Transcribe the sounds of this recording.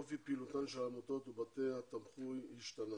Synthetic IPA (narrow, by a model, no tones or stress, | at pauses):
ofipilut̪anʃelamot̪ot̪ubat̪eat̪amχujiʃt̪ana